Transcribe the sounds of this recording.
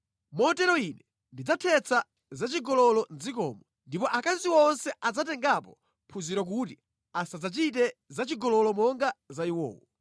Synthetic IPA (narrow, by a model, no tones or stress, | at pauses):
mɔtɛɾɔinɛ | ndid͡zatʰɛt͡sʰa | zat͡ʃiɡɔlɔlɔnd͡zikɔːmɔ | ndipɔʔakaziwɔnsɛʔad͡zatɛŋɡapɔ | pʰuziɾɔk̬uti | asad͡zat͡ʃit̬ɛzat͡ʃiɡɔlɔlɔmɔŋɡazaiwɔ̰ːwɔ